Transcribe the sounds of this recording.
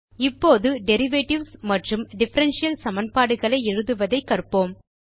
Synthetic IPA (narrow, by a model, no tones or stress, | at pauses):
ɪpːoːðɯɖɛɾɪʋeːʈɪʋsmɐʈrɯmɖɪfɐɾɐnʂɪjɐlsɐmɐnpaːɽɯɣɐɭɐɪɛɻɯðɯʋɐðɐɪkːɐrpːoːm